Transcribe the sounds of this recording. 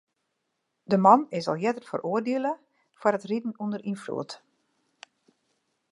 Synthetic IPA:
dəmɑnɪsɔ̰lˠjɛtətfərʔoərdeəlˠə | farətridn̩undərinflṵət

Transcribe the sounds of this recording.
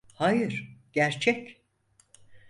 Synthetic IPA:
hajɯɾ̥ɟ̥æɾt͡ʃʰɛc

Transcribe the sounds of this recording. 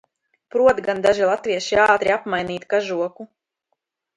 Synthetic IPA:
pɾuɔt̪ɡand̪aʒilˠat̪viɛʃiaːt̪ɾiapmajniːt̪kaʒuɔku

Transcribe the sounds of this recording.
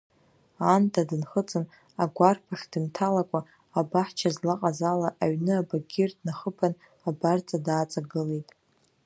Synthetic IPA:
antʰʼadɨnχət͡sʼɨn | aɡʷarpʰaχʲd̥ɨntʰalakʷʼaː | baħt͡ʃʰazlaqʼazalaʔaɥnɨabaɡʲɪrdnaχəpʰan | abart͡sʼadaːt͡sʼaɡɨlejtʼ

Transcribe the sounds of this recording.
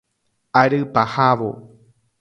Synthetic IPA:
aɾɨpahaʋo̰

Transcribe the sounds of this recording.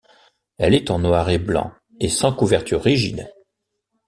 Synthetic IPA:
ɛlɛt̪ɑ̃nwaʁeblɑ̰̃ | esɑ̃kuvɛʁt̪yʁːiʒḭd̪

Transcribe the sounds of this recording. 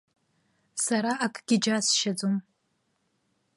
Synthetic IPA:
saɾaʔakʼɡ̥ʲɪd͡ʒasʃad͡zom

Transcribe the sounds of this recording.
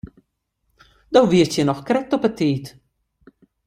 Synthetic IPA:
d̪ɔwviət͡ʃjənɔxkɾɛt̪ːɔpət̪ːiːt̪

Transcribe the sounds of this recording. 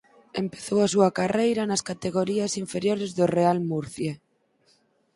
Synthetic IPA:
empeθowas̬uakarejɾanaskat̪eɣ̞oɾiasiɱfeɾjoɾezðorealmuɾθje

